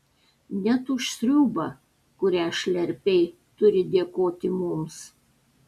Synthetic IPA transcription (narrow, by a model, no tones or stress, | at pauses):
nʲɛt̪ʊʃsʲɾʲuːbɐ | kʊɾʲæːʃʲlʲɛɾʲpʲɛɪ | t̪ʊɾʲɪd̪ʲiɛkoːt̪ʲɪmʊms